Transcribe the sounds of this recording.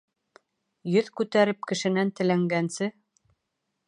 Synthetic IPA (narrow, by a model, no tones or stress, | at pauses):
jɵðkʉt̪æɾɘp̚kɘ̆ʃɘ̆nænt̪ɘ̆læŋɡænsɘ